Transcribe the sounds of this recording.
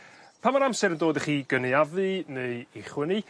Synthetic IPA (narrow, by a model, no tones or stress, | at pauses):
pʰamaɾamsɛɾəndoːdəχiːɡəniavɨneɨiχwɪnɨ